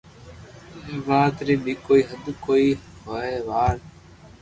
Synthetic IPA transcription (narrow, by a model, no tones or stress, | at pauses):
ʋaːt̪ɾiːɓiːkoːiːɦəd̪koːiːhoeːʋaːɾ